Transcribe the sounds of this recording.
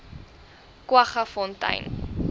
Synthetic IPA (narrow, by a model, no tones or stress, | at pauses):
kwɐχɐfɔntɐ̰jn